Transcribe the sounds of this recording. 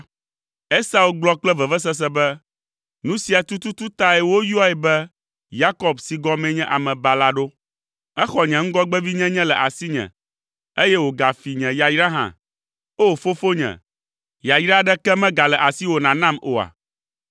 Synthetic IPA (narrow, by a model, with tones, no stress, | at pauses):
e˦sa˦u˦ɡ͡blɔ˦k͡plɛ˦vɛ˨vɛ˦s̬ɛ˦s̬ɛ˦bɛ˦ | nũ˦si˨a˨t̪u˦t̪u˦t̪u˦t̪a˦ɛ˨wo˦jɔ˦ɛ˨bɛ˦ | ja˦kɔ˦bsi˨ɡɔ˦mɛ̃˦ɲɛ̃˦ʔa˨mɛ̃˨ba˨la˦ɖo˦ | ɛ˦xɔ˨ɲɛ̃˨ŋ̩˦ɡɔ˦ɡ͡bɛ˦vi˦ɲɛ̃˦ɲɛ̃˦lɛ˨ʔa˨si˦ɲɛ̰̃˨ | e˦jɛ˦wo˨ɡa˨fi˨ɲɛ̃˨ja˨jɾa˦ɦã̰˨ | o˦fo˦fo˦ɲɛ̰̃˨ | ja˨jɾa˦ɖɛ˦kɛ˦mɛ̃˦ɡa˨lɛ˨ʔa˨si˦wo˨nã˨nã˦mo˨a̰˨